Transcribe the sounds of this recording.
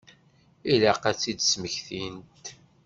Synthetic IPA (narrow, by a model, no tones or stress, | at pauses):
ilæqæt͡sːid̪sməçθint̪